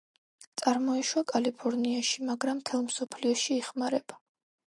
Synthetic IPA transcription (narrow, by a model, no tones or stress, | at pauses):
t̪sʼaɾmɔɛʃwakʼalipʰɔɾniaʃimaɡɾamt̪ʰɛlˠmsɔpʰliɔʃiɛχmaɾɛb̥a